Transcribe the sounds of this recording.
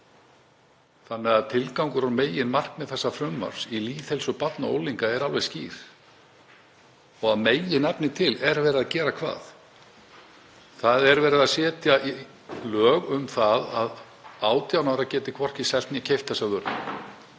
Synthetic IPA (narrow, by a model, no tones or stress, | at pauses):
θanːɛɣaðt̪ʰɪlkawŋkʏɾaɾmeːjɪnmar̥kmɛðθɛsːafɾʏmːa̰ɾ̥siliːθhɛlsɔɣpat̪nao̰ːwliŋkaɛɾalvejsciːɾ̥ | ɔɣaðmeːjɪnɛpnɪt̪ʰɪlɛɾvɛːɾɪðaðcɛːɾakʰva̰ːθ | θaðɛɾvɛːɾɪðasɛːt̪jaʔi | lœːɣʏmθaðað | aːwt̪jawnaɾacɛːt̪ɪkʰvɔr̥cɪsɛlt̪njɛcʰejft̪θɛsaðʏɾt̪ɪ̰